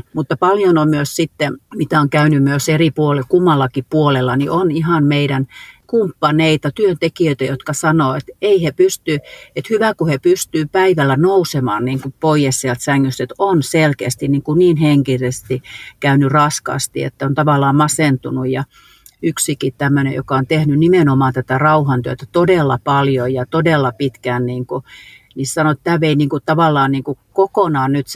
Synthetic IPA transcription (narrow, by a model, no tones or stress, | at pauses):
mut̪ːɑpɑljonommyøssit̪ːemit̪æˑoŋkæynymyøseripuolekumːɑlːɑkippuolelːɑniʔonihɑnmeiɾænkumpːɑneit̪ɑt̪yønt̪ekiøit̪æjot̪kɑsɑnoːet̪eihepyst̪yet̪hyʋækuhepyst̪yːpæiʋælːænousemɑːnniːŋkupoijessielt̪sæŋːyst̪et̪onselkeæst̪inniːŋkuniːnheŋkisest̪ikæynyrɑskɑ̰st̪ḭḛt̪ːæont̪ɑʋɑlːɑːmɑsent̪unujjɑ | yksikitt̪æmːønḛjo̰kɑont̪ehnynimenomɑːˑnt̪æt̪ærɑuhɑnt̪yøt̪æt̪odelːɑpɑljojɑt̪odelːɑpit̪kæːˑnniːŋku | nissɑnoet̪tæːʋeiniːŋkut̪ɑʋɑˑlːˑɑːnniːŋkukokonɑːnnyt̪s